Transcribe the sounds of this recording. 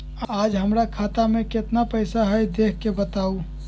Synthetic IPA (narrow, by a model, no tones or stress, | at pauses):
aːd͡ʒɦəmɾakʰaːt̪amẽkɪt̪napəjsaɦɛjd̪eːkʰkebət̪aːu